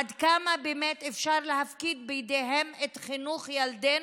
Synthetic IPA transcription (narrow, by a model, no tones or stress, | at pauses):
ad̪kamabemet̪efʃaʁleɦafkid̪bejd̪eɦemet̪χinuχjald̪e